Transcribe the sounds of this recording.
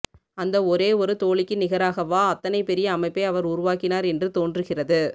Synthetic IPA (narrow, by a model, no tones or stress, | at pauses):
ɐnd̪ɐɔɾeːɔɾɯt̪oːɭɪkːɯnɪɣɐɾaːɣɐʋaːɐt̪ːɐnɐɪpɛɾɪjɐːmɐɪpːɐɪɐʋɐɾʊɾʊʋaːkɪnaːɾɛndrɯt̪oːndrɯɣɪrɐðɯ